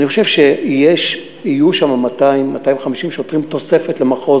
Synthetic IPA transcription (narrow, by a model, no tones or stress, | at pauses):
niχoʃe̞vʃejeʃ | ijuʃamamataimːat̪ajivχamiʃimʃot̪ʁimt̪o̞se̞fe̞tlemaχo̞